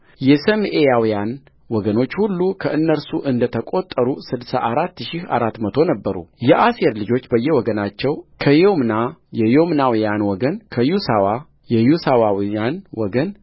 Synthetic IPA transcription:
jɛsəmʔejawijan | wɔɡəno̞t͡ʃːhulːukʰəʔɨnːəɾsuʔɨnd̪ət̪ʰəkʼo̞t̪ʼːəɾusɨd̪sa̰ʔaɾat̪ːʃɪha̰ɾat̪ːmət̪ʰo̞nəbːəɾṵjɛʔaseɾlɨd͡ʒo̞t͡ʃːbəjːɛwɔɡənat͡ʃːɛwkʰəjomnajɛjomnawijanwɔɡənkʰəjusawa | jɛjusawawijanwɔɡən

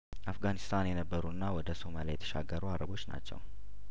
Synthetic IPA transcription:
ʔafɡanist̪ʰanjɛnəbːəɾuɨnːawɔd̪əso̞malijɛt̪ʰə̥ʃa̰ɡːəɾuaɾəbo̞t͡ʃːna̰t͡ʃːɛ̰w

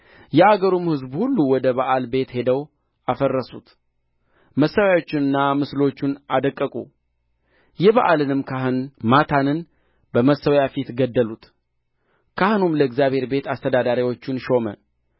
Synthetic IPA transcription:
jɛaɡəɾumhɨzbhulːuwɔd̪əβaʔalbe̞t̪he̞d̪əw | afərːəsṵt̪ | məsːəwjawo̞t͡ʃːɪnɨnːamɨslo̞t͡ʃːunad̪əkʼːəkʼṵ | jɛβaʔalɨnɨmkʰahɨnmat̪ʰanɨn | bəməsːəwjafit̪ɡəd̪ːəlut̪ | kʰahɨnumləɨɡzjaβhe̞ɾbe̞t̪ast̪ʰəd̪ad̪aɾiwo̞t͡ʃːunʃo̞mə̰

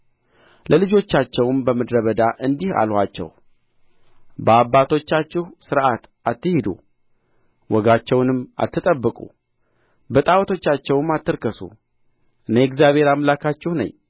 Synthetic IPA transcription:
lʔəlɨd͡ʒo̞t͡ʃːat͡ʃːɛwmbəməd̪ɾəβəd̪aʔɨnd̪iha̰lhʷat͡ʃːɛ̰w | bəabːat̪ʰo̞t͡ʃːat͡ʃːɪhsɨɾat̪at̪ːɨhid̪ṵ | wɔɡat͡ʃːɛwnɨmːa̰t̪ʰːɨt̪ʼəbːɨkʼṵ | bət̪ʼawt̪ʰo̞t͡ʃːat͡ʃːɛwɨmːat̪ːɨɾkəsṵ | ʔɨneɛkzjaβhe̞ɾamlakʰat͡ʃːɛhnə̰ɲː

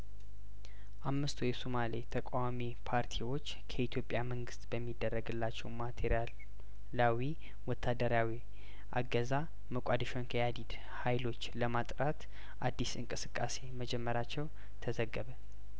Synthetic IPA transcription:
ʔamːɨst̪ʰujɛsomalet̪ʰəkʼawamipʰaɾt̪ʰiwo̞t͡ʃːkʰəit̪ʰjo̞pʼjaməŋɡɨst̪ʼbəmːid̪ːərːəɡɨlːat͡ʃːɛwmat̪ʰeɾjal | lawi | wɔt̪ʰːad̪əɾawi | ʔa̰ɡəza | məkʼad̪əʃonkʰəjad̪id̪ | hajlo̞t͡ʃːləmat̪ʼɾat̪ | ʔad̪ːisɨŋkʼɨsɨkʼːase̞məd͡ʒɛmːəɾat͡ʃːɛw | t̪ʰəzəɡːəβə

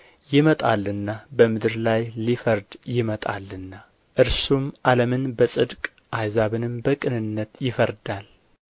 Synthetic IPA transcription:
jɪmət̪ʼalɨnːabəmɨd̪ɨɾlajlifəɾd̪jɪmət̪ʼa̰lɨnːa | ʔɨɾsumʔaləmɨnbəsʼɨd̪kʼ | ʔajzaβɨnɨmbəkʼɨnɨnːət̪jɪfəɾd̪al

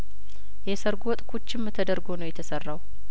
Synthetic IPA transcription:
jɛsəɾɡɔt̪ʼkʰot͡ʃːɪmːɨt̪ʰəd̪əɾɡonəwjɛt̪ʰəsərːaw

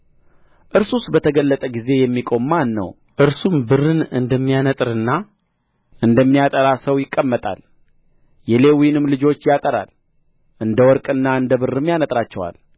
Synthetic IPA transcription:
ʔɨɾsusbət̪ʰəɡəlːət̪ʼəɡize̞jɛmːikʼo̞mːanːə̰w | ʔɨɾsumbɨrːɨnɨ̰nd̪əmːijanət̪ʼɨɾɨnːa | ʔɨnd̪əmːijat̪ʼəɾasəwjɪkʼːəmːət̪ʼa̰l | jɛle̞winɨmlɨd͡ʒo̞t͡ʃːjat̪ʼəɾa̰l | ʔɨnd̪əwɔɾkʼɨnːaɨnd̪əβɨrːɨmjanət̪ʼɾat͡ʃːɛwa̰l

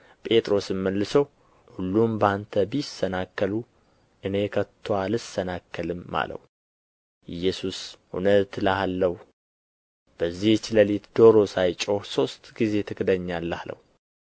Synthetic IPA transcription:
pʼe̞t̪ʼɾo̞sɨmːəlːɨsəw | hulːumbant̪ʰəbisːənakːəlu | ʔɨne̞kʰət̪ʰːoalɨsːənakʰːəlɨmːa̰lə̰hu | ʔɨjːɛsusʔṵnət̪ləalːəh | b̥əzːiht͡ʃːləlit̪d̪o̞ɾo̞sajt͡ʃʼohso̞st̪ʼɡize̞t̪ʰɨkʰd̪əɲːalːəalə̰hu

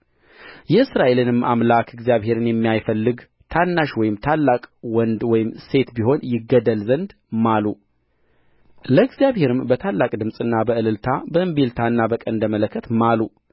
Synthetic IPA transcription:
jɛɨsɾaʔe̞lɨnɨmːamlakʰɨɡzijaβɦe̞ɾɨnjɛmːijajfəlːɨɡ | t̪ʰanːaʃwɔjɪmt̪ʰalːakʼwɔnd̪wɔjɪmse̞t̪biho̞njɪɡːəd̪əlzənd̪ | malu | ləɡzjaβhe̞ɾɨmbət̪ʰalːakʼd̪ɨmsʼɨnːabəɨlɨlt̪ʰabəʔɨmbelt̪ʰaɨnːabəkʼənd̪əmələkʰːət̪malu

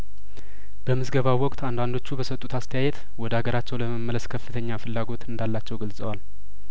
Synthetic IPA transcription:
b̥əmɨzɡəβawɔkʼt̪and̪and̪o̞t͡ʃːubəsət̪ʼːut̪ast̪ʰəjajɛt̪ | wɔd̪əaɡəɾat͡ʃːɛwləməmːələskʰəfːɨt̪ʰəɲːafɨlːaɡo̞t̪ɨnd̪alːat͡ʃːɛwɡəlsʼəwal

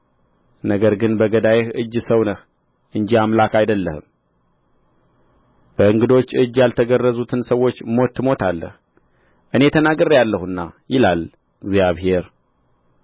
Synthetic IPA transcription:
nəɡəɾɡɨnbəɡəd̪ajehɨd͡ʒːsəwnəh | ʔɨnd͡ʒiamlakajd̪əlːə̰hɨ̰m | b̥əɨŋɡɨd̪o̞t͡ʃːɨd͡ʒːjalt̪ʰəɡərːəzut̪ʰɨnsəwːo̞t͡ʃːmo̞t̪ʰːɨmo̞t̪ʰalːə̰h | ʔɨne̞t̪ʰənaɡəɾːjalːəhuɨnːa̰jɪlal | ɡzjaβɦe̞ɾ

